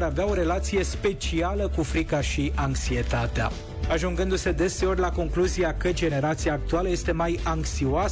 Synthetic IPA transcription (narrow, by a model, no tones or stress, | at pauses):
ɾaveao̞ɾe̞lat̪sije̞spe̞t͡ʃialəkufɾikaʃiʔaŋksie̞t̪at̪ea̰ | aʒuŋɡɨnd̪use̞d̪e̞se̞o̞rʲlako̞ŋkluziakəd͡ʒe̞ne̞ɾat̪siaːk̚t̪ualəje̞st̪e̞majaŋksioa